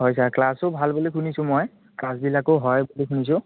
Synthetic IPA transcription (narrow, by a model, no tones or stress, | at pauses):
ɦɔjsaɹklasobʱalbolikʰunisʊ̃mɔj | klas̬bilakoɦɔjbolikʰunis̬ʊ̃